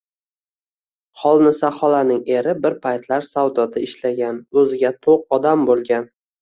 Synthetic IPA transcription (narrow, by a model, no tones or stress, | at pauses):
χɒlˠnɪsaχɒlanɪŋe̞ɾɪbɪɾpʰajt̪laɾsawd̪ɒt̪ʰɪɪʃlaɡʲanɵzɪɡʲat̪ʰoq̚ɒd̪ambolˠɡʲan